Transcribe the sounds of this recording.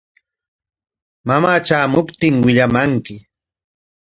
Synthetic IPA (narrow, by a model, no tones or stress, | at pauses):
mamaːt͡ʃaːmʊpt̪ɪŋwɪʎamaŋkɪ